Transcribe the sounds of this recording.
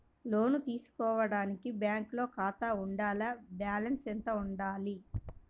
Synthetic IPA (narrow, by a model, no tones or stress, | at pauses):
lo̞ːnut̪iːsu̥kɔːʋɐɽaːnikibjaːŋklo̞ːkaːt̪auɳɖaːlɐbjaːlɐnsent̪ɐuɳɖaːli